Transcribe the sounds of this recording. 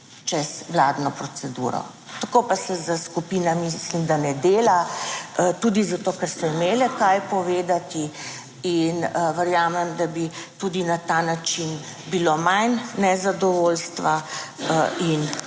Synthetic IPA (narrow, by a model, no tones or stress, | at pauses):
t͡ʃɛzʋlaːd̪nɔpɾɔsɛd̪ṵːɾɔ̰ | t̪akopasɛzəskupiːnamislimd̪anɛd̪eːla | t̪ud̪izat̪oːkɛɾsɔimeːlɛkajpɔʋeːd̪at̪i | inəʋɛɾjaːmɛmd̪abit̪ud̪inat̪anat͡ʃin | bilomajnːɛzad̪ɔʋolst̪ʋa | in